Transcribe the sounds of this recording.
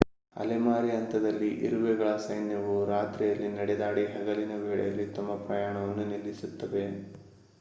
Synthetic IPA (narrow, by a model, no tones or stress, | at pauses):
ɐ̰lemaːɾiɐnt̪ɐd̪ɐlːiʔḭɾuʋɛɡɐɭɐsɐjnjɐʋuɾaːt̪ɾijɐlːinɐɽɛd̪aːɽiɦɛɡɐlinɐʋeːɭɛ̰jɐlːit̪ɐmːɐpɾɐjaːɳɐʋɐnːunilːisut̪ːɐʋe̞